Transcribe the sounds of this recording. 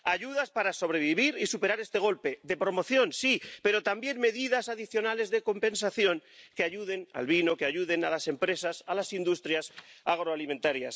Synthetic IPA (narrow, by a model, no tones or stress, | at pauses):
aʎuðaspaɾaso̞β̞ɾe̞βiβiɾisupe̞ɾaɾe̞st̪e̞ɣ̞o̞lpe̞ðe̞pɾo̞mo̞θjo̞nsipe̞ɾo̞t̪ambje̞nme̞ðiðasaðiθjo̞nale̞zðe̞ko̞mpẽ̞nsaθjo̞ŋkeaʎuðe̞na̰lβino̞keaʝuðe̞nalase̞mpɾe̞sasalasind̪ust̪ɾjasaɣ̞ɾoalimẽ̞nt̪aɾjas